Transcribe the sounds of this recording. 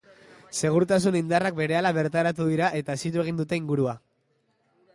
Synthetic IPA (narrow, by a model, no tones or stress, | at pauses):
se̞ɣ̞uɾut̪asunind̪arak̚be̞ɾe̞alaβe̞ɾt̪aɾat̪̬uðiɾaʔe̞t̪aesit̪ue̞ɣ̞ind̪ut̪e̞iŋɡuɾua